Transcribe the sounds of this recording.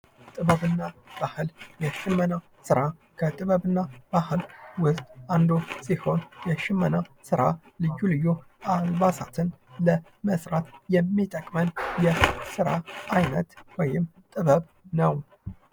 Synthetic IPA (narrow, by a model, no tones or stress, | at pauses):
t̪ʼɨβəβɨnːab̥ahɨljɛʃɨmːəna | sɨɾakʰət̪ʼɨβəβɨnːab̥ahɨlwʊst̪ʼand̪osiho̞njɛʃɪmːənasɨɾa | lɨd͡ʒulɨjːualbasat̪ʰɨnlə | məsɾat̪jɛmːit̪ʼəkʼmənjɛsɨɾa̰ʔajnə̰t̪wɔjɪmt̪ʼɨβəβ | nəw